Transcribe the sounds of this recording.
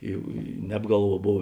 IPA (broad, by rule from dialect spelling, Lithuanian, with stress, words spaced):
ɪ ɪ nʲɛp ˈɡɐlˠˌʋuɔ ˈboːw